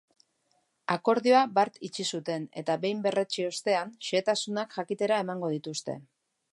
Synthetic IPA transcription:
ako̞ɾðioabaɾt̪it͡ʃisut̪e̞ne̞̰t̪aβe̞jmbe̞re̞t͡ʃio̞st̪e̞anʃe̞ːt̪asunakʝakit̪e̞ɾae̞maŋɡo̞ð̞it̪ust̪e̞̰

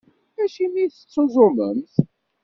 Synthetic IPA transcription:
æʃimiθə̥t͡sːozˤoməmθ

